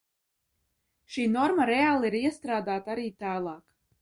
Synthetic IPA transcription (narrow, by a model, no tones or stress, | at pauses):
ʃiːnɔɾmaɾɛaːlˠiɾiɛst̪ɾaːd̪aːt̪aaɾiːt̪aːlˠɑːk